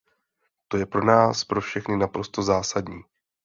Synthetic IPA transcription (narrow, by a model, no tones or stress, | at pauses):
t̪o̞jɛpɾo̞naːspɾo̞fʃɛxnɪnapɾo̞st̪o̞zaːsadɲiː